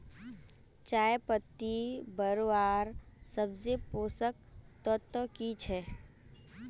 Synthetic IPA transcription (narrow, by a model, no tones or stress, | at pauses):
t͡ʃaːjpət̪ːibəɾʋaːɾsəbzepoːsək̚t̪ɔt̪əkit͡ʃʰɛː